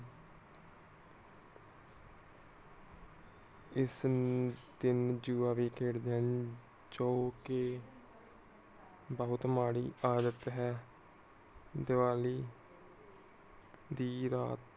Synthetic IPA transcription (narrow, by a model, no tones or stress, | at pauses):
ɪs | d̪ɪnd͡ʒuːaːʋiːkʰeːɽd̪eən | d͡ʒoːkeː | bəɦʊt̪maːɽiːaːd̪ət̪ɦɛː | d̪ɪʋaːliː | d̪iːɾaːt̪